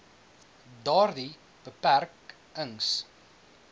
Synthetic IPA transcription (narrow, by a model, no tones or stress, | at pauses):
dɑːrdi | b̥əpærk | əŋs